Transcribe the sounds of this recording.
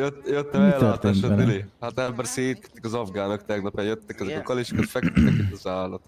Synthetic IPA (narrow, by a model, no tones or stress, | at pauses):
jøt̪ːjøt̪ːɛmɛlːøaːt̪eaːʃilihat̪ɛbɛrseːt̪ɛ̥t̪ːikɒzɒvɡaːnokt̪ɛɡnɒpjajøt̪ːɛkɛzɛkɒkːɒliʃkːɔt̪fɛkt̪ːɛkit̪ːɒzaːlːɒt̪o